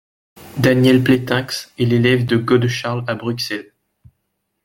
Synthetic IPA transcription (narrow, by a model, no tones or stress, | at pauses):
d̪anjɛlplet̪ɛ̃ksɛlelɛvd̪əɡɔd̪ʃaʁlabʁyksɛl